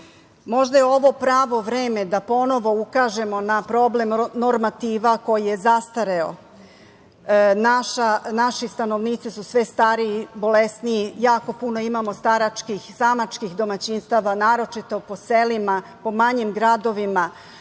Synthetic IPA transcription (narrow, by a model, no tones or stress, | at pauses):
mo̞ʒd̪ajeo̞ʋo̞pɾaːʋo̞ʋɾeːme̞d̪apo̞no̞ʋo̞ukaːʒe̞mo̞napɾo̞ble̞mnoɾmat̪iːʋako̞jije̞zast̪aɾeo̰ | naʃanaʃist̪ano̞ʋniːt̪sisusʋest̪aːɾiːbo̞lesniijaːko̞puno̞imamo̞st̪aɾat͡ʃkixsamat͡ʃkixd̪o̞mat͡ɕinst̪aʋanaːɾo̞t͡ʃit̪o̞po̞selimapo̞maɲimɡɾad̪o̞ʋima